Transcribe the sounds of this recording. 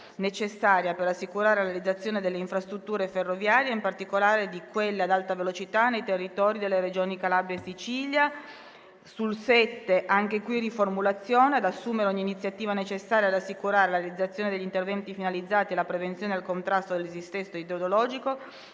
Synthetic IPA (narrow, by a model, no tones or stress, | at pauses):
net͡ʃesːaːɾjapeɾasːikuɾaːɾelaɾjealid̪zːat̪sːjoːned̪elːeiɱfɾast̪ɾut̪ːuːɾeferːovjaːɾjeimpart̪ikolaːɾed̪ikwelːead̪alt̪avelot͡ʃit̪anːejt̪erːit̪ɔːɾid̪elːeɾed͡ʒoːnikalabesːit͡ʃiːlja | sulsɛt̪ːeʔaŋk̟ekwiriformulat̪sːjoːnead̪asːuːmeɾeoɲːiːnit̪sːjat̪iːvanet͡ʃesːaːɾjad̪asːikuɾaːɾelaɾealid̪zːat̪sːjoːned̪eʎːint̪ervɛnt̪ifinalid̪zːaːt̪ielapɾevent̪sjoːnealkont̪ɾast̪od̪elsist̪ɛst̪ːoid̪eod̪olɔːd͡ʒiko